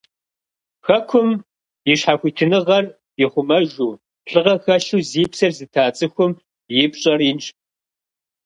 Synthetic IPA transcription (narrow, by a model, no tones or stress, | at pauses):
xɐkʷʰʊm | jɪɕħaxʷiːtʰɨnɨʁɐr | jɪχʷʊmɐʒuː | ɬɨʁɐxɐɬuːziːpsɐrzɨtʰaːt͡sʼɨxʷʊm | jɪpɕʼɐriːnt͡ʃʼ